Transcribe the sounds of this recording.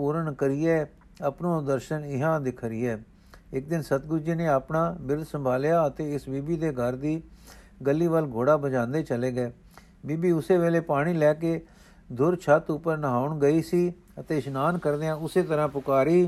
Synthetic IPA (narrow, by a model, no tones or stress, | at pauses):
puːɾəɳkəɾiːɛː | əpnõːd̪əɾʃənɪɦãːd̪ɪkʰɾɪːɛː | ɪk̚d̪ɪnsət̪ɡʊɾd͡ʒiːneːaːpnaːbɪɾd̪səmbʱaːljaːət̪eːɪsbiːbiːd̪eːɡʱəɾd̪iː | ɡəlːiːʋəlɡʱoːɽaːbəd͡ʒãːnd̪eːt͡ʃəleːɡɛː | biːbiːʊseːʋeːleːpaːɽ̃iːlɛːkeː | d̪ʊɾt͡ʃʰət̪ʊpəɾnəɦaːʊɳɡəiːsiː | ət̪eːɪʃnaːnkəɾd̪eːãːʊseːt̪əɾãːpʊkaːɾiː